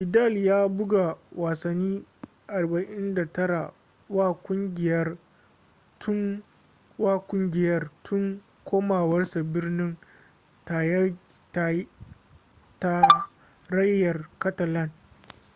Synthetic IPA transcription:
ʔɪ˨da˦˨ljaː˦bʊ˦ɡa˨waː˨sɐ˨nːiː˦ | ʔa˨rba˨ʔɪ˦nda˨tɐ˦ɽa˨ | waː˦kʷʊ˦ŋɡʲɪ˨jɐ˦r | tʰʊ˦ŋ | waː˦kʷʊ˦ŋɡʲɪ˨jɐ˦rtʰʊ˦ŋ | kʷʰoː˦maː˨wɐ˦rsa˨bɪ˦rnɪ˦ŋ | ta˨j | t | ta˦ | ɾɐ˦jːɐ˨rkɐ˦tɐ˨lɐ˦n

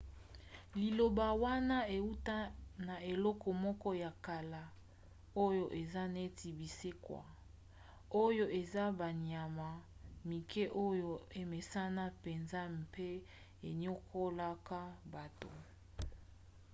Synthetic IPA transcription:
li˨lo˨ba˨wa˦na˦e˨u˦ta˦na˨e˨lɔ˦kɔ˨mɔ˦kɔ˦ja˨ka˨la˨ | o˦jo˦ʔe˨za˦ne˦ti˨bi˨se˦kwa̰˨ | o˦jo˦ʔe˨za˦ba˨ɲja˨ma˨mi˨kʰe˦ʔo˦jo˦˨e˨me˨sa˦na˦pe˨nza˦m̩˨pe˦ | e˨ɲo˦kʰo˦la˦ka˦ba˨to˨

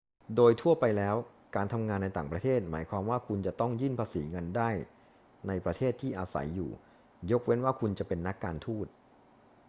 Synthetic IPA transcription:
doː˧jt̪ʰu˥˩ɐpa˧jlɛː˦˥w | kaː˧nt̪ʰa˧mŋaː˧nːa˧jt̪aː˨˩ŋpɾa˧t̪ʰeː˥˩t̪̚ma̰ː˩˦jkʰwaː˧mwaː˥˩kʰu˧nt͡ɕa˨˩t̪ɔ˥˩ŋjɯː˥˩npʰaː˧sḭː˩˦ŋɤ˧ndaː˥˩j | na˧jpɾa˧t̪ʰeː˥˩t̪ʰːiː˥˩ʔaː˧sa̰˩˦jːṵː˨˩ | jo˦˥k̚we˦˥nwaː˥˩kʰu˧nt͡ɕa˨˩pe˧nːa˦˥kːaː˧nt̪ʰuː˥˩t̪̚

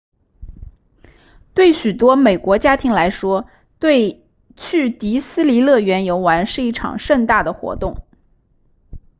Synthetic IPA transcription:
t̪we˥˩ɪɕy˨˩t̪wɔ˥me˨˩ɪkwɔ˧˥t͡ɕja˥t̪ʰi˧˥ŋla˧˥ɪʂwɔ˥ | t̪we˥˧ɪ | t͡ɕʰy˥˩t̪i˧˥sɹ̩˥li˧˥lɤ˥˩ɥɛ˧˥njo˧˥ʊwa˧˥nʂɻ̩˥˧i˥˩ʈ͡ʂʰɑ̰˨˩ŋʂə˥˧nt̪a˥˩d̪ə˩xwɔ̰˧˥t̪ʊ˥˩ŋ

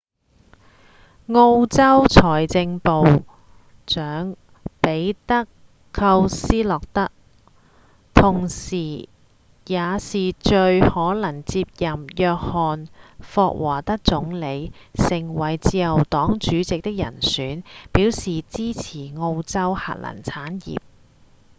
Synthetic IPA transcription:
ŋo˧wt͡sɐ˥wt͡sʰɔː˨˩jt͡sɪ˧ŋpo˨w | t͡ʃœː˨˥ŋ | pe˨˥jt̪ɐ˥kʰː | ɐ˧wsiː˥lɔː˨k̚t̪ɐ˥k̚ | t̪ʰʊ˨˩ŋsiː˨˩ | jaː˨˧siː˨t͡ʃɵ˧ɥhɔː˨˥lɐ˨˩ŋt͡siː˧p̚jɐ˨mjœː˧k̚hɔː˨nfɔː˧k̚wʔaː˨˩t̪ɐ˥k̚t͡sʊ˨˧˥ŋle˨˧jsɪ˨˩ŋwɐ˨˩jt͡siː˧jɐ˨˩wt̪ɔː˨˥ŋt͡ʃyː˨˥t͡sɪ˨k̚t̪ɪ˥k̚jɐ̰˨˩nsyː˨˥npiː˨˥wsiː˨t͡siː˥t͡sʰiː˨˩ŋo˧wt͡sɐ˥wha̰˨t̚lɐ̰˨˩nt͡sʰaː˨˥njḭː˨˩p̚

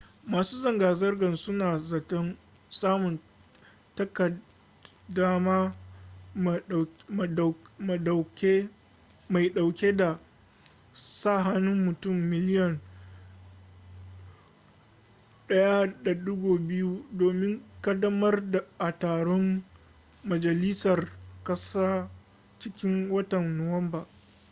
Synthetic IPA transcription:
maː˨suː˦zɐ˨ŋɡaː˨zɐ˦rɡɐ˨nsʊ˦naː˨zɐ˨tɔ˦n | saː˦mʊ˨n | tɐ˦kɐ˨ | da˦maː˦˨ | ma˨ɗa˨kʲe˦ | ma˨jɗa˨wkʲe˦da˨ | saː˦˨ɦa˦nʊ˦mːʊ˨tʊ˦˨mːɪ˨lɪ˦jɐ˨n | ɗɐ˦ja˦da˨ɗʊ˦ɡʷoː˨bɪ˦ju˦doː˨mɪ˦ŋkɐ˦dɐ˦mɐ˦rda˨ʔa˨taː˨ɽɔ˦ŋː | ɐ˨d͡ʒɐ˨lɪ˦sɐ˨rkɐ˦saː˦ | t͡ʃɪ˦kʲɪ˦ŋwɐ˦tɐ˨nːo˨wɐ˦mbaː˨

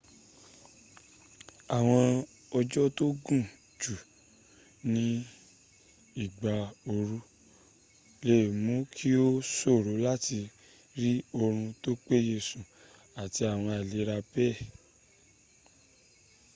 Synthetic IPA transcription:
a˨w̃ɔ̃˧ | ɔ˧d͡ʒɔ˦to˦ɡũ˦˨ | d͡ʒu˨ | nĩ˦ | i˦˨ɡ͡ba˨o˧ɾu˧˦ | le˨mũ˨˦kʰi˦o˦so˦˨ɾo˨˦la˦ti˧ | ɾi˦o˧ɾ̃ũ˧to˦k͡pe˦je˧˨sũ˨ | a˨ti˧a˨w̃ɔ̃˧a˨le˨˦ɾa˧pɛ˦˨

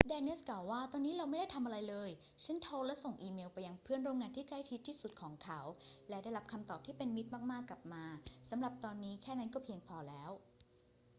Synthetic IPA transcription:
dɛː˧ne˦˥sklaː˨˩wːaː˥˩t̪ɔː˧nːiː˦˥ɾa˧wma˥˩jda˥˩jt̪ʰa˧mʔa˧ɾa˧jlɤː˧j | t͡ɕʰe˦˥nt̪ʰoː˧lɛ˦˥so˨˩ŋʔiː˧meː˧wpa˧jːa˧ŋpʰɯ˥˩ənɾoː˧ŋaː˧nt̪ʰiː˥˩kla˥˩jt̪ʰi˦˥t̪ʰːiː˥˩su˨˩t̪̚kʰɔː˩˦ŋkʰa˦˥wlɛ˦˥da˥˩jɾa˦˥p̚kʰa˧mt̪ɔː˨˩p̚t̪ʰiː˥˩pe˧nmi˦˥t̪̚maː˥˩k̚maː˥˩kːa˨˩p̚maː˧sa˩˦mɾa˨˩p̚t̪ɔː˧nːiː˦˥kʰɛː˥˩na˦˥˩nkɔː˥˩pʰi˧əŋpʰɔː˧lɛː˦˥w

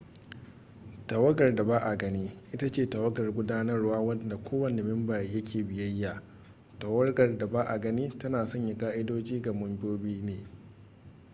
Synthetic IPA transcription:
tɐ˨wɐ˦ɡɐ˨rda˨baː˦ʔa˨ɡɐ˦niː˦ʔɪ˦ta˦t͡ʃeː˦˨ta˨wɐ˦ɡɐ˨rɡʷʊ˦daː˦nɐ˦rwaː˦wɐ˦nda˨kʷoː˦wɐ˨ne˨mɪ˦mbaː˨jɐ˦kʲeː˨bɪ˨jɐ˦jːa˨ | ta˨wɐ˦rɡɐ˨rda˨baː˦ʔa˨ɡɐ˦niː˦tɐ˦naː˨sɐ˦ɲja˨kʼaː˦ʔɪ˦doː˦d͡ʒiː˦ɡa˨mʊ˦mbʲoː˦biː˦neː˨

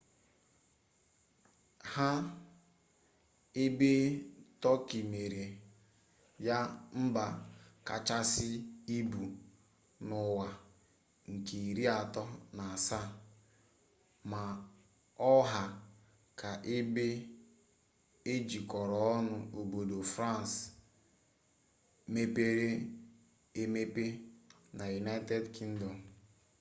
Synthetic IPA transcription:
ha˦ | e˦be˦tɔ˦ki˨me˨ɾe˨ | ja˦m̩˦ba˨ka̰˨t͡ʃa˦sɪ˦i˦bu˨ | nʊ˨wa˨ | ŋ̩˨ke˨i˨ɾi˦a˨tɔ˦na˨a˨sa˦ | ma˨ | ɔ˦ɦa˨ | ka˨ʔe˦be˦ | e˦d͡ʒi˨kɔ˨ɾɔ˨ɔ˦nʊ˦o˨bo˨do˨fɾa˦˨n˨s | me˦pe˦ɾe˦ | e˦me˦pe˦ | na˨ju˨na˦te˦dki˦ŋ̩˦dɔ˨m

